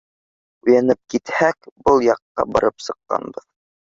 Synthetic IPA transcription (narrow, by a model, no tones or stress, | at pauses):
ʉ̆jænɘp̚kit̪hækbɤlˠjɑqːɑ̰bɑɾɤpsɤ̆qːɑ̰nbɤð